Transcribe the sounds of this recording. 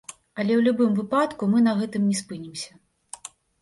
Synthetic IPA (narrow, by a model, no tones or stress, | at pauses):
ɐlʲɛwlʲubɨmvɨpat̪kumɨn̪ɐɣɛt̪ɨmnʲɛspɨnʲimsʲɐ